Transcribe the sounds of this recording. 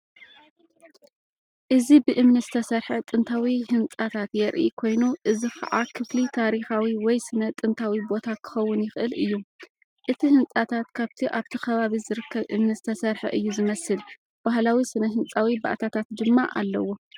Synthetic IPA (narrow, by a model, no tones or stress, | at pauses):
ʔɨzibɨʔɨmnɨɐzɨt̪ʰɐsɐɾħɐt̪ʼɨnt̪ʰawihɨnt͡sʼat̪ʰat̪jɛɾʔḭkʰo̞jnuʔɨzikʰɐ̰ʕakʰɨflit̪ʰaɾixawiwɔjsɨnɐt̪ʼɨnt̪ʰawibo̞t̪ʰakʰɨ̥xɐwːʊnjɪxʔɨlʔɨjːu | ʔɨt̪ʰihɨnt͡sʼat̪ʰat̪kʰaβt̪ʰiʔaβt̪ʰikʰɐβaβizɨɾɨkʰːɐβʔɨmnɨzɨt̪ʰɐsɐɾħɐ̰ʔɨjːuzɨmɐsɨl | b̥ahlawisɨnɐɦɨnt͡sʼawiba̰ʔt̪ʰat̪ʰat̪d̪ɨmːaʔa̰lːɐwːo